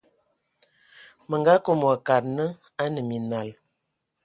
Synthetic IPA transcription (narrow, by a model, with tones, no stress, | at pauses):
mə˨ŋɡa˦ko˦mwa˨ka˨ɾ̚nə˦ | a˦nə˨mi˨na˨l